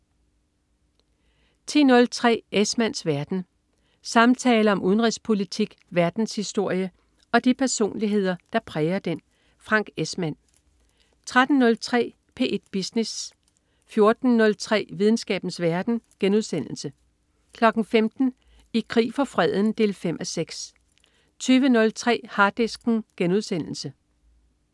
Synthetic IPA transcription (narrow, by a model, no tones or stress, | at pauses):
t͡sʰḭːnɔ̽lt͡sʰʁɛ̰ːesmænsʋæɐd̥n̩ | sɑ̈mt͡sʰɛːləɒ̽muðˠnʁispʰo̝lit͡sʰiɡ̥ | ʋæɐd̥n̩shisd̥o̝ɐ̰jə | ɒ̽d̥ipʰæɐso̝̰ːnliɦe̝ð̞̰ˠɐd̥ɑ̈pʰʁɛːɪɐd̥en | fʁɑ̈ŋ̰ɡ̥esmæn̰ | t͡sʰʁad̥n̩ːɔ̽lt͡sʰʁɛ̰ː | pʰe̝ːʔed̥̚b̥isnes | fjo̝ɐd̥n̩nɔ̽lt͡sʰʁɛ̰ːʋið̞ˠn̩sɡ̥ɛ̰ːb̥n̩sʋæɐd̥n̩ɡ̥enuðˠsen̰l̩sə | kʰlɒ̽ɡ̥n̩femd̥n̩ | ikʰʁḭːfɒ̽fʁɛð̰ˠən̩d̥e̝̰ːlfem̰ʔæseɡ̥s | t͡sʰyːʋənɔ̽lt͡sʰʁɛ̰ːhɑ̈ːd̥esɡ̥n̩ɡ̥enuð̞ˠsen̰l̩sə